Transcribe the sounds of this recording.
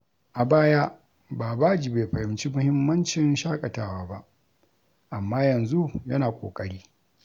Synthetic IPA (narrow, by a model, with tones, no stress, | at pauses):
ʔa˨baː˦ja˦ | baː˨ba˦d͡ʒi˨beː˨ɸɐ˨hɪ˨mt͡ʃi˦mʊ˦hɪ˦mːɐ˦nt͡ʃɪ˨nʃaː˦kʼɐ˨taː˦waː˦ba˦ʔ | ʔa˨mːaː˦jɐ˨nzu˦jɐ˦naː˨kʷʼo̰ː˨kʼɐ˦ɽiː˦